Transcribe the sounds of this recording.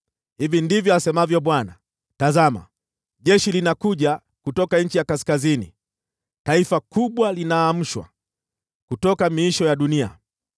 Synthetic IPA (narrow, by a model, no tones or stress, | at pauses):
hivindivjɔasɛmavjɔɓwana̰ | tazama̰ | ʄɛʃilinakuʄa | kutɔkaɲ̩t͡ʃijakaskazinḭ | taifakuɓwalinaːm̩ʃwa̰ | kutɔkamiiʃɔjaɗunia̰